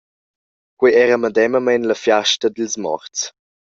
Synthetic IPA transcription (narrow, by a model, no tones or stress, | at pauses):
kwiɛɾəməd̪ɛməmɛnləfjaʃtəd̪ilsmɔ̰ɾt͡s